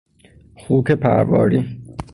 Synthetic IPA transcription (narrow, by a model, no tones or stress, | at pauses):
xuːkʰepʰæ̰ɾvɒ̰ːɾi